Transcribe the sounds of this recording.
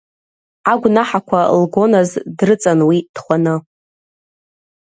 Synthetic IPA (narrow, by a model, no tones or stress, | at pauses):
aɡʷnaħakʷʰalɡo̞nazdrɨt͡sʼanwid̥χʷanɨ